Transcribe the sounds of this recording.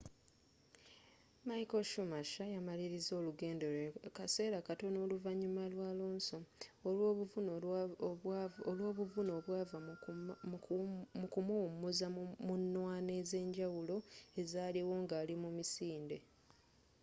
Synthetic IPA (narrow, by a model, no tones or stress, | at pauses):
majkoʃumaʃajamaliɾizo̞ːluɡe̞ːnde̞ɾekase̞ːɾakato̞no̞ːluvaɲːumalwaːloːnso̞ | βvun | olwo̞ːβuvuno̞ːβwaːva | mukumowumuzamunːwaːne̞ze̞ːɲɟawulo̞e̞zaːliwo̞ːŋɡaːlimumisiːnde̞